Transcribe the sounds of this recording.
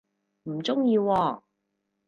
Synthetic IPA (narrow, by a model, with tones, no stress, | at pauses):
m̩˨˩t͡sʊ˥ŋjiː˧wɔː˧